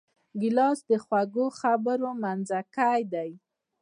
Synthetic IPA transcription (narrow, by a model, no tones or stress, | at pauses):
ɡɪlɑsd̪əxwaɡoxabəɾomanzakajd̪aj